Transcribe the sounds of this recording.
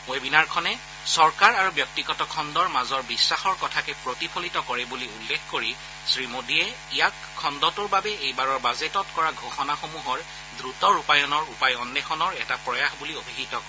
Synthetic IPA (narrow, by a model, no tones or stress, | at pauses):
webinaɹkʰɔnɛ | sɔɹkaɹaɹubjɔk̚tiɡɔtɔkʰɔndɔɹmazɔɹbisːaxɔɹkɔtʰakɛpɹotipʰolitɔkɔɹɛbuliulːexkoɹi | sɹimodiɛ | ijakʰːɔndɔtʊɹbabɛejbaɹɔɹbazetɔtkɔɹaɡʱoxɔnaxomuɦɔɹ | dɹutɔɹupajɔnɔɹupajɔndɛxɔnɔɹɛtapɹɔjaxbuliobʱiɦitɔk